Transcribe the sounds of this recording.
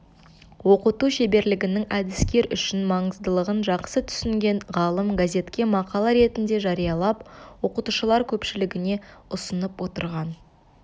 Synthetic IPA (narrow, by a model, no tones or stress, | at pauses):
wo̞qət̪uʃe̞be̞ɾlɪɡʲɪnɪŋæd̪ɪskʲe̞ɾʏ̰ʃɪnmɑɴəzd̪əlˠəʁənʒɑqsət̪ʰʏ̥sɪŋɡʲe̞ɴʁɑlˠəmɡazʲe̞t̪kʲe̞mɑqɑlˠɑɾe̞t̪ɪnd̪e̞ʒɑɾijɑlˠɑpwo̞qət̪uʃəlˠɑɾkʲʰɵpʃɪlɪɡʲɪne̞ʊsənəpwo̞t̪ə̰ɾʁɑn